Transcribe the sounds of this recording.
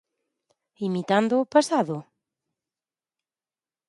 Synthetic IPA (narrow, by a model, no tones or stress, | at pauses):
imit̪and̪ʊːpasaðʊ